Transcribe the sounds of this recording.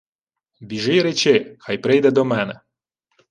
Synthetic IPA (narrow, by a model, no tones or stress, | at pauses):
bʲiʒɪjɾɛt͡ʃɪxajpɾɪjd̪ɛd̪ɔmɛnɛ